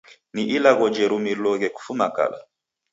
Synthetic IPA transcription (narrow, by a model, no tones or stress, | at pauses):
niʔilaɣɔd͡ʒɛɾumilɔɣɛku̥fumaka̰la̰